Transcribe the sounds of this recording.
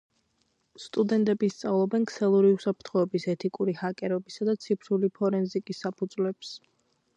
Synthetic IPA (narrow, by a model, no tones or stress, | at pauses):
st̪ʼud̪ɛnt̪ʼɛbist̪sʼavlˠɔbɛnkʰsɛlˠuɾiusapʰɾt̪ʰχɔɛbisɛt̪ʰikʼuɾihakʼɛɾɔbisad̪at̪sʰipʰɾulipʰɔɾɛnzikʼisːapʰud̪zlɛps